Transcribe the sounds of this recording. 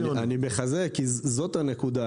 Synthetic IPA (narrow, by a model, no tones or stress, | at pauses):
anibeχazekizo̞t̪ane̞kud̪a